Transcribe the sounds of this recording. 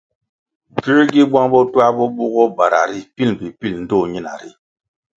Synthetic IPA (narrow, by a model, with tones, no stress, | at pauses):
ki˦ɾɡi˦ba˦ŋbɔ˦twa˦bɔ˦bu˦ɡɔ˦ba˨ɾa̰˨ɾi˦pi˦lm˨pi˨pi˦˨ln̩˦dɔ˦˨ɲi˦na̰˨ɾi˦˨